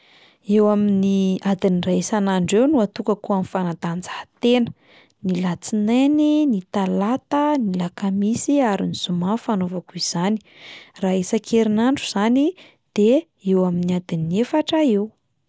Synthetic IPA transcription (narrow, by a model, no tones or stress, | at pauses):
ewaminiad̪iniraesanaɳɖ͡ʐewnuat̪ukəkuamifanat̪and͡zahḁt̪enə̥ | nilat͡sineninit̪alat̪ənilakamisiaɾiniz̥umafanovakuiz̥ani̥raːesakʰeɾinaɳɖ͡ʐuz̥ani | d̪̥e | ewaminiad̪inefaʈ͡ʂəew